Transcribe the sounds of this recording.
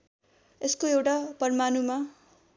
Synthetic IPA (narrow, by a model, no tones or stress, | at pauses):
eskoewʈapʌrmanuma